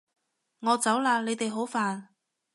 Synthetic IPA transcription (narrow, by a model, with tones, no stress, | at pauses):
ŋɔː˨˧t͡sɐ˨˥wlaː˧le˨˧jt̪e˨jɦo˨˥wfaː˨n